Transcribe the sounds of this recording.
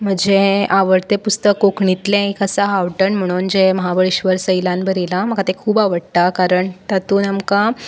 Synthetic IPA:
m̤əɳd͡ʑeʔaʋəɾt̪epust̪əkːokɳit̪lẽikəsaɦaʋʈəɳm̤əɽ̃uːnd͡ʑeməɦaʋəɭiɕʋəɾsəjlãnbəɾilaməkat̪ekʰuːbaʋəɽt̪akaɾəɳt̪at̪uːnamka

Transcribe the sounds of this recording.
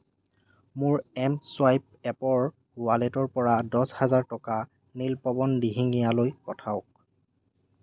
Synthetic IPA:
mʊɹɛmswajp̚ | ɛpɔɹ | ɡʊaletɔɹpɔɹadɔshazaɹtɔka | nilpɔbɔndiɦiŋijalojpɔtʰaʊk̚

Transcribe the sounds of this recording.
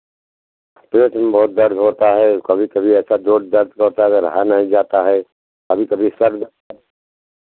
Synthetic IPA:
pɾoːt͡ʃnbɔːt̪̚d̪ɐɾd̪ʱɦoːt̪aɦɛkɐbʱikɐbʱiɛːsad̪oːɖd̪ɐɾd̪ʱkɐɾt̪aɦəɾɐ̰ɦanəɦĩd͡ʒaːt̪aɦɛ | kɐbʱikɐbʱisəɾd̪

